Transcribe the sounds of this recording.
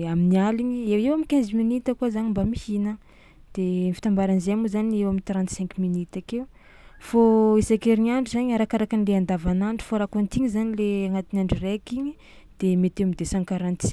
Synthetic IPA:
aminialiɲiewewamikʲɛ̃nziminit̪əkuazanimbamihinə | d̪̥enifi̥t̪ambaɾanzemuzaniewamint̪ɾãnt̪sɛ̃ŋkminit̪akew | foisakeɾiniaɳɖ͡ʐizaɲaɾakaɾakanileand̪avanaɳɖ͡ʐi̥foɾakuant̪iŋizanileaŋat̪inaɳɖ͡ʐirekiɲi | d̪̥emet̪eamid̪esãŋkaɾant̪i

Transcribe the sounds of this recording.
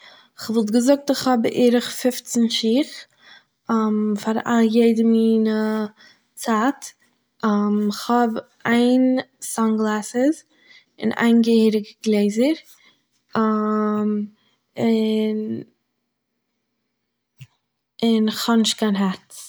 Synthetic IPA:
ɪχvɔlˠt̬ɡəzʊk̚tɪχhɔbʔeɾəχfɪft͡sənʃiːχ | mfaɾa̰lˠjeɪdəmiːnə | t͡sat | mɪχhɔbʔaɪnsaŋɡlˠasəz | ɪ̰na̰ɪnɡəhiːɾɪɡəɡlˠeɪzəɾ | m | ɪn | ɪnɪχhɔnɪʃtkʰaɪnɦat͡s

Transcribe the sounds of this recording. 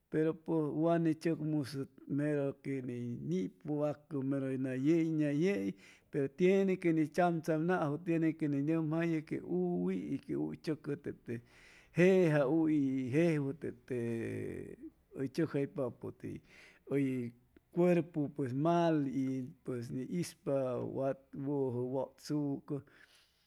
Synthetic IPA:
peɾoposwanit͡ʃəkmusɨmeɾokeninipoakəmeɾojnajejnajeʔjpeɾot̪jenekenit͡ʃamt͡samnaʔɦot̪jenekeninəmhajəkḛʔuwiikeṵjt͡ʃəkət̪eʔt̪e | heɦauiɦehwət̪eʔt̪e | əjt͡ʃəhajpapot̪ḛ | əj | kʷeɾpopwes̬malipwes̬niʔispawat̪̚woɦəwoʔt͡sukə

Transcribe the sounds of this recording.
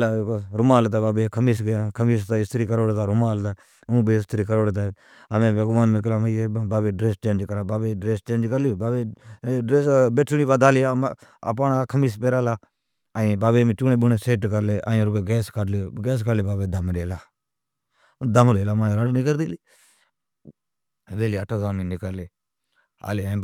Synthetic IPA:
lakːɾʊmaːlt̪abaːbeːkʰəmiːsɡkʰəmiːst̪aːɪst̪ɾiːkəɾoːɽt̪aːɾʊmaːlt̪aː | ũːbeːɪst̪əɾiːkəɾoːɽet̪aː | əmẽːbeɡʊmaːnmek̬laːməebaːbeːɖɾeːst͡ʃeːnd͡ʒkəɾaːbaːbeɖɾeːst͡ʃẽːnd͡ʒkəɾlɪjoːbaːbeːɖɾeːsbeːʈʰuniːbaːd̪aːlijaə̰p̬aːnakʰəmiːs̬peːɾaːlaː | aĩbaːbeːmĩt͡ʃuːnẽːɓʊneːseːʈkəɾleːʔa̰ːĩɾʊkeɡɛːskəɾloːɡɛːs̬kəɾleːbaːbeːd̪ʱəmleːlaː | d̪əmleːlaːmaːjɾəɽnikəɾd̪iːliː | ʋeːliːəʈʰaːzaːmiːnikəɾleː | a̰ːlẽː

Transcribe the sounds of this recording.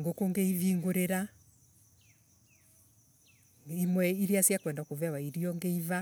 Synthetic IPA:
ŋɡokoŋɡeiviːŋɡoɾeɾa | imwɛiɾiasjakwɛndakovɛwaiɾiɔŋɡeiva

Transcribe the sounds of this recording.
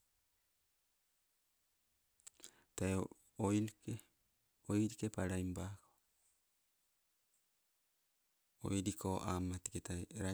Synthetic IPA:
tae | ojlke | ojɾikepaɾajmbako | o̰jɾikʰoʔamatiketajɾa

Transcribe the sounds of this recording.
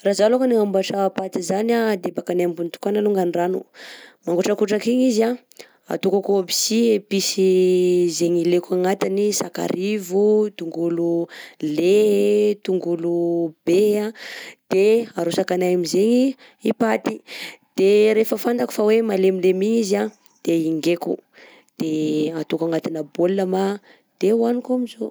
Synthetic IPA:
razalukaniambaʈ͡ʂapat̪izanad̪ebakanaambunit̪u̥kanaluŋɡaniranumaŋɡuʈ͡ʂakuʈ͡ʂakiɲiza | a̰t̪ukakoabi̥siepisizeɲilekaŋat̪inisaka̰ɾʔivut̪uŋɡululet̪uŋɡulub̥ead̪̥eaɾusakanajamizeɲi | ipat̪id̪̥eɾefəfand̪aku̥fawemalemilemiɲiza | d̪̥eiŋɡekṵ | d̪̥eat̪ukaŋat̪inəbolːama | d̪̥euanikamizo

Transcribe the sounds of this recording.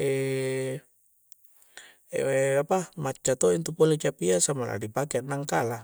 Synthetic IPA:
e | apamat͡ʃːat̪oint̪upolet͡ʃapiasamala̰dipakeanːaŋkala

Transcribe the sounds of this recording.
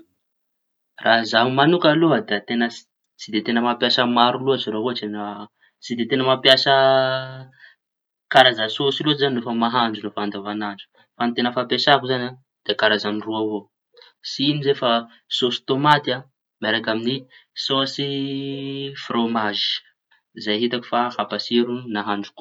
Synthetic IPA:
rʔazaɦumanukaload̪eat̪enə | t͡sid̪et̪enəmapjasəmaɾuloat͡siɾoavot͡ʃenə | t͡sid̪et̪enəmapjasə | kaɾazasosiloizaninofəmaɦand͡ʒunofand̪avanand͡ʒu̥ | fant̪enəfapesakuzana | d̪̥ekaɾazaniruavo | siinizefa | sosi̥t̪omat̪a | meɾakaminisɔ̃si | fromaʒi̥ | zajɦit̪aku̥fahapasiɾunaɦand͡ʒu̥k

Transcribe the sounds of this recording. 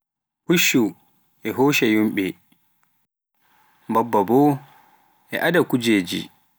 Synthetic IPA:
huʃːu | ʔɛɦoːʃɛjumɓɛ | bɔbːabɔ | ʔɛ̰ʔadakud͡ʒeːd͡ʒḭ

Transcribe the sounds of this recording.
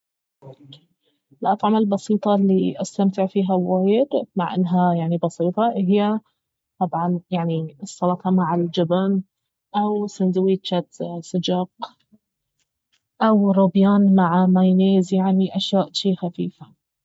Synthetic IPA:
ɪlʔɑt̪ˤʕɑmalbɑsˤiːt̪ˤɑlːiʔast̪amt̪ɪʕfiːɦawaːjɪd̪maʕʔɪ̰nːɦajaʕnibɑsiːt̪ˤɑɦɪjːa | t̪ˤɑbʕɑnjaʕniɨsˤːɑlɑt̪ɑmaʕɪld͡ʒɪban | ʔawsɪnd̪wiːt͡ʃːat̪sɪd͡ʒɑq | ʔawɾʊbjaːnmaʕamajneːzjaʕniʔaʃjaːʔt̪iːxafiːfa

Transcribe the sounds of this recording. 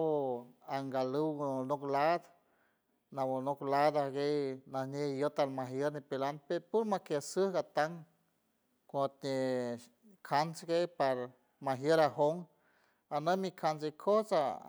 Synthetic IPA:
boaŋɡaluwnoklad̪ | nawonoklad̪aɡejnahnʲehjot̪aɾmaɦjəɾnipelanpeɾpuɾmakesəhɡat̪aŋ | kʷõt̪̚nʲe | kʰansɡejpaɾ | maɦjəɾaɦoŋ | anamikʰans̬ekʰosa

